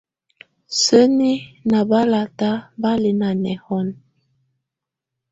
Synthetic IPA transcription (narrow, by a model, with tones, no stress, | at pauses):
sə˦ni˦na˨ba˦la˨ta˦ba˦li˨na˨nɛ˨hɔ˦n